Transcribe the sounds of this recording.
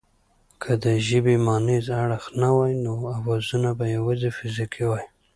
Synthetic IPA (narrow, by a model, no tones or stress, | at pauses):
kʰəd̪əʒɪbemɑnizaɽxnawɑjnoawɑzunabajawazefɪzikʰiwɑj